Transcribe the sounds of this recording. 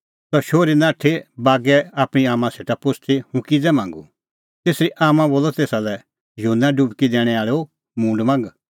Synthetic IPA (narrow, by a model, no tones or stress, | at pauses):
sɔʃoːɾinãːʈʰːebaːɡɛaːpɽ̃iaːmãseːʈapʊsʰt̪ʰihũkid͡zɛmãːŋɡṵ | t̪eːsɾiʔaːmãboːlɔt̪eːsalɛ | jɦunaɖubkid̪ɛːɽ̃ɛaːɭeo | mũːɳɖmãːŋɡ